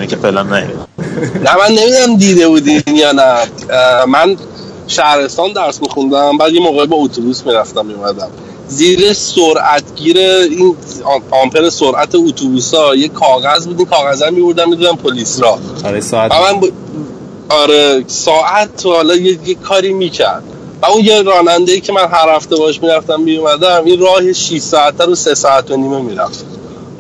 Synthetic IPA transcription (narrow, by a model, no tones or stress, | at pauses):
nicʰefelæmnæjo̰dæmnæmænːe̞mid̪unæmd̪iːd̪e̞buːd̪injɒːnæ | mæn | ʃæhɾe̞st̪ɒːnd̪æɾsmixund̪æmbæd̪jemoɣɒːibɒot̪ʰubuːsmiɾæft̪æmːijumæd̪æm | ziːɾesoɾʔæt̪ʰɟiːɾeinɒmpʰeɾesoɾʔæt̪ʰeut̪ʰubusɒjekʰɒːɣæzbuːd̪inkʰɒːɣæzæmiboɾd̪æmːid̪ud̪æmpʰolisɾɒːɾevæmænb | ɒɾesɒːʔæt̪ʰhɒlɒjejekʰːɒːɾiːmiːcʰæ̰ɾd̪̥ | væunjeɾɒːnænd̪eiːcʰemænɦæɾhæft̪ebɒheʃmiːɾæft̪æmːijumæd̪æminrɒːheʃiʃsɒːæt̪ʰːæɾusesɒːæt̪ʰːoniːmemiːɾæft̪